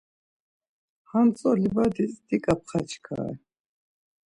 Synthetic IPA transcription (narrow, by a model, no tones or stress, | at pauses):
hamt͡sʼɔlibad̪isʼd̪ikʼap̚χat͡ʃʰkʰa̰ɛ̰